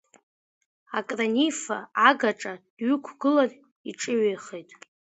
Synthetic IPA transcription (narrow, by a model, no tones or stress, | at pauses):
akʼranifaaɡaʈ͡ʂʼad̥ɥʏkʷʰɡ̥ɨlan | iʈ͡ʂʼɨɥejχejtʼ